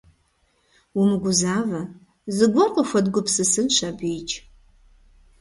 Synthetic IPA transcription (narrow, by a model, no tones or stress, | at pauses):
umɨɡʷʊzaːvɐ | zɨɡʷɔqʷʼʊxʷɐdɡʷʊpsɨsɨnʃɐbiːt͡ʃʼ